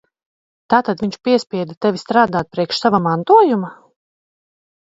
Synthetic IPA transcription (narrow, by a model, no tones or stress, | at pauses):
t̪aːt̪ad̪viɲt͡ʃpiɛspʲiɛd̪ɛt̪ɛvʲist̪ɾaːd̪aːt̪̚pɾiɛkʃsavamant̪uɔjuma